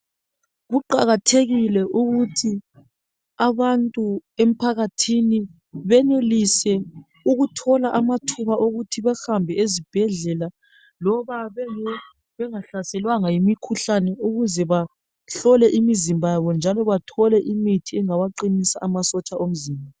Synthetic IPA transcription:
ɣuǃaɣatʰeɣilɛʔuɣutʰi | aβantʼuem̩pʰaɣatʰini | βɛnelisɛ | uɣutʰɔlaʔamatʰuβaʔoɣutʰiβɛhambʱɛezib̥ʱɛɮɛla | lɔβaβɛɛ | βɛŋaɬasɛlwaŋajimikʰuɬanɛuɣuzɛβa | ɬɔlɛʔimizimbʱajaβɔnd͡ʒʱalɔβatʰɔlɛʔimitʰiɛŋawaǃinisaʔamasɔt͡ʃʼaʔom̩ziːmbʱa

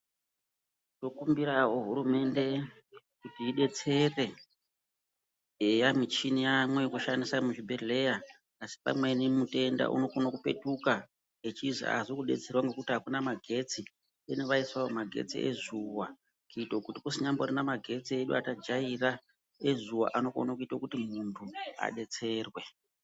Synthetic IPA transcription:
to̞kumbiɾauɦuɾume̞nde̞ | kutiːɗe̞t͡se̞re̞ | ejamit͡ʃinijamwekuʃandisamuʐibʱele̞jaː | si̥pa̰mwe̞nimute̞nda̰ʔṵno̞kunokupe̞̰tuka | et͡ʃizḭa̰zikuɗe̞t͡se̞rwaŋɡe̞kutiɦakunamaɡʱe̞t͡si | eneʋaiswaomaɡʱe̞̰t͡sḭʔḛzuwa | kuitokutikusiɲamborinamaɡʱe̞t͡sieɗṵatad͡ʒaira | ezuwa̰ʔano̞ko̰nokuitokutimuntʰua̰ɗe̞t͡se̞ːrwe̞

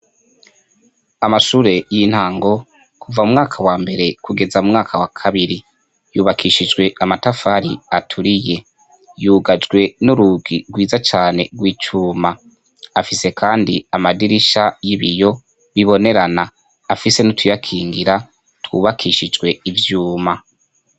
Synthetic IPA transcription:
amaʃuːɾe̞jin̥haːŋɡo̞ | kʰuvaumŋaːkʰawaːmbe̞ɾe̞kuɡe̞zaumŋaːkʰawakʰaβiɾi | juːβakʰiʃid͡ʒɡwe̞ʔamatafaːɾiatʰuɾije̞ | juːɡad͡ʒɡwe̞nuɾuɡiɡwiːzat͡ʃaːne̞̰ɡwiːt͡ʃuːma | afise̞kʰaːndḭamadiɾiʃajiβijo̞ | βiβo̞ne̞ɾanaː | fise̞nutʰujakʰiːŋɡiɾa | twṵːβakʰiʃid͡ʒɡwe̞ivjuːma

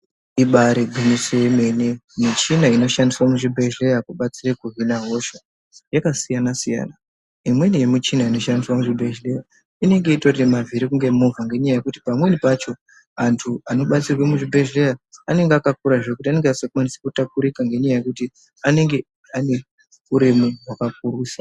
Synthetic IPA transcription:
iɓaɾeɡʱimisojeme̞nemit͡ʃinaino̞ʃandiswamuʐibʱe̞ʒe̞jakuɓat͡sirekuɦinaɦo̞ʃa | jakasijanasija̰na | imwe̞nijemit͡ʃinaino̞ʃandiswamuʐibʱe̞ʒleja | ine̞ŋɡe̞itoimavʱiɾikuŋɡe̞movʱaŋɡe̞ɲajaje̞kuti̥pamwe̞nipat͡ʃo̞ | antʰuano̞ɓat͡sirwemuʐibʱe̞ʒejaːne̞ŋɡeakakuɾaʐe̞kut̬iane̞ŋɡeasekwanisekutakuɾikaŋɡe̞ɲajaje̞kuti | ane̞ŋɡe̞ | ane̞ | uɾimiɦwakak̚uruːsa

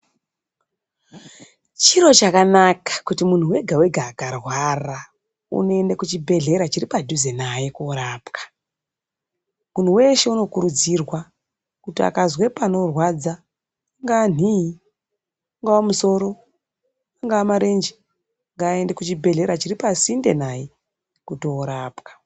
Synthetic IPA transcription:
t͡ʃiɾo̞t͡ʃakanakḁkutimun̤uwe̞ɡʱawe̞ɡʱaːkarwara | ṵno̞e̞ndekut͡ʃibʱe̞ɮe̞ɾat͡ʃiɾipadʱuzenajekuɾaːpkḁ | mun̤uwe̞ʃe̞uno̞kuɾud͡zirwa | kutia̰kazwe̞pano̞rwad͡zaː | ŋɡaːn̤i | aŋɡawamuso̞ɾo̞ | aŋɡaːmaɾend͡ʒi̥ | aŋɡaːe̞ndekut͡ʃibʱe̞ɮe̞ɾat͡ʃiripasinde̞naje | kuto̞ːɾaːpkḁ

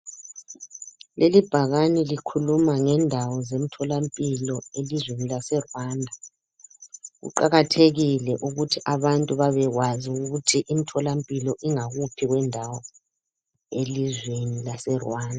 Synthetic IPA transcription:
lelib̥ʱaɣanilikʰulumaŋɛndʱawɔzem̩tʰɔlampʼilɔelizwenilasɛrwaːndʱa | ɣṵǃaɣatʰeɣilɛʔuɣutʰiʔaβantʼuβaβɛɣwaziuɣutʰiʔimitʰɔlampʼilɔʔiŋaɣupʰiɣwɛndʱawɔ | elizwenilasɛrwaːndʱa

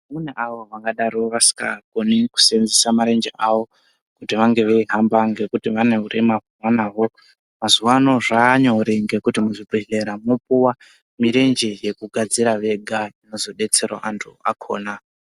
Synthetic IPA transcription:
muneʔaʋo̞ʋaŋɡaɗaɾoʋasi̥ka̰koniku̥senzisamaɾe̞nd͡ʒḛʔaʋo̞ | kutiʋaŋɡe̞ʋe̞iɦambaŋɡe̞kutiʋane̞ɦuɾemakuwanaɦo̞ | mazuʋaːno̞ʐaːɲoɾiŋɡe̞kutimuʐibiɬe̞ɾamo̞p̚uwa | miɾend͡ʒeje̞kuɡʱad͡ziɾaʋe̞ɡʱaino̞zo̞ɗe̞t͡se̞ro̰ʔantʰua̰kʰo̞̰ːna

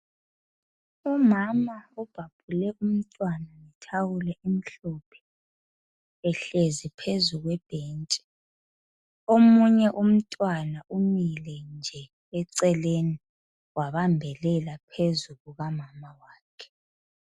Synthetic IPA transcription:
umamaub̥ʱab̥ʱulɛum̩tʼwanaitʰawulɛʔim̩ɬɔpʰɛ̥ | ɛɬezipʰezuɣwɛb̥ʱeːnt͡ʃʼi̥ | omuɲɛʔum̩tʼwanaʔumilɛnd͡ʒʱɛː | ǀɛleni | waβambʱɛlɛlapʰezuɣuɣamamawaːkʰɛ̥

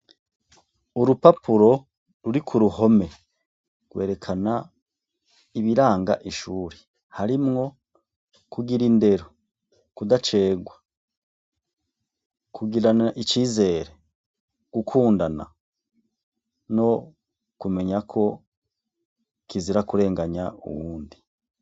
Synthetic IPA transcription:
uɾupapuɾo̞ | ɾuɾikʰuɾuho̞me̞ | ɡ̥we̞ːɾe̞kʰana | iβiɾaːŋɡa̰ʔiʃuːɾe | haɾimŋo̞ | kuɡiɾinde̞ɾo | kudat͡ʃe̞ːɡwa | kuɡiɾanaʔit͡ʃiːze̞ːɾe | ɡ̥ukʰuːndana̰ | no̞ | kume̞ɲakʰo̞ | kiziɾakuɾe̞ːŋɡaɲaṵwuːndi

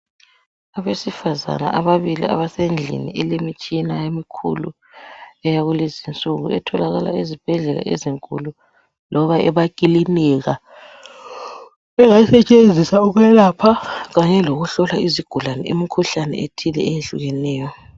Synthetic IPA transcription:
aβesifaza̰na̰ʔaβaβilḭa̰βasend͡ɮʱḭnḭɛlemit͡ʃʼinajemikʰṵlṵ | ɛjaɣulezint͡sʼuɣuɛtʰɔlaɣala̰izib̥ʱɛɮɛla̰ʔḛziŋkʼṵlu | lɔβaʔɛβakʼiliniɣa | ɛŋasɛt͡ʃʼend͡zʱisauɣwɛlapʰaɣaɲɛloɣuɬɔlaiziɡ̥ʱulanɛʔimikʰuɬanɛ̰etʰilɛɛjeɬuɣɛnɛːjɔ

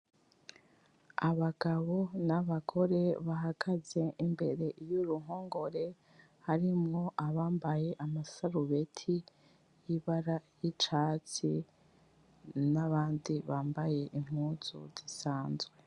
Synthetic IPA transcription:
aβaɡ̥aβo̞naβaɡʰo̞ɾe̞βaɦakʰaze̞ʔimbe̞ɾe̞ʔjuɾuɦoːŋɡo̞ɾe̞ | haɾimŋo̞ʔaβaːmbaje̞ʔamasaɾuβe̞tʰi | jiβaɾajit͡ʃaːt͡si | naβaːndiβaːmbaje̞ʔim̥uːz̥ṵz̥isaːnzwe̞

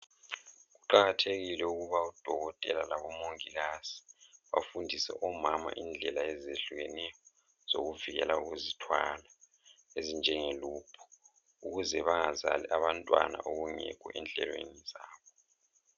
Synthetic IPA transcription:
ɣuǃaɣatʰeɣilɛuɣuβaud̥ʱɔɣɔtʼɛlalaβɔmoŋiɣazi̥βa̰fundʱisɛ̰ʔɔmama̰ʔind͡ɮʱɛlaɛzeɬuɣɛnɛjɔ | z̥oɣuviɣɛ̰lauɣuzitʰwaːla | ezind͡ʒʱɛŋeluːpʰɔ̥ | uɣuzɛβaŋazalḭʔaβantʼwa̰na̰ʔoɣuŋɛ̰kʰʼɔ̰ʔɛnd͡ɮʱɛ̰lwḛnizaːβɔ

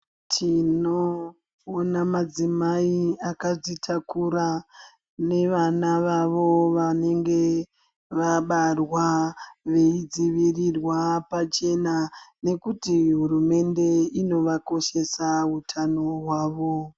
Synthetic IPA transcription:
tʰinoː | namad͡zimaiakaʐitʰakuɾa | ne̞ʋanaʋaʋo̞ʋane̞ŋɡe̞ | ʋaɓarwaʋe̞id͡ziʋirirwapat͡ʃe̞nane̞kutiɦurume̞nde̞ino̞ʋako̞ʃe̞saɦutʰanoɦwaːʋo̞

